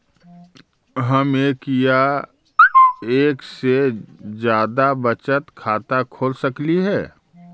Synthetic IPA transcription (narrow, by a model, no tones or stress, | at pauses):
ɦɐmeːkja | eːksed͡ʒjaːd̪abət͡ʃət̪kʰaːt̪akʰoːlsəkliɦɛː